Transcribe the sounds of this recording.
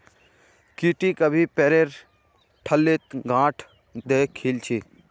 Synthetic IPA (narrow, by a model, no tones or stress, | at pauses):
kiːʈikəbʱipɛːɾeːɾ | ʈʰəlːet̪ɡãːʈʰ | d̪eːkʰilt͡ʃʰiː